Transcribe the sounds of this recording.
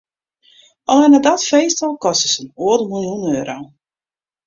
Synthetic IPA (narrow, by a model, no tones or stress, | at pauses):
ɔlˠɛnadatfejstɔlˠkɔstəsənuədəmilˠjunøːɾow